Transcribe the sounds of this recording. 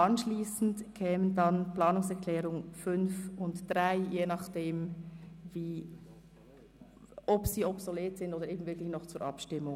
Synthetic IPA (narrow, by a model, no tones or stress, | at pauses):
ʔɑnʃliːsn̩tkʰɛːməndɑnplɑːnʊŋsɛʁkʰlɛːɾʊŋfʏnfʊntd̥ʁaɪjeːnɑχd̥eːmviː | ɔpsiːɔpsoleːtsɪndoːdəɾeːbmn̩vɪklɪçnɔχt͡suːɾʔɑ̰pʃtɪmːʊŋ